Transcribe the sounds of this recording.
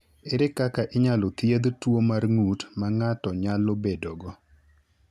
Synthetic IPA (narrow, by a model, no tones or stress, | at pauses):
eɾekakaʔɪɲalot̪jed̪twomarŋutmaŋatɔɲalobedoɡɔ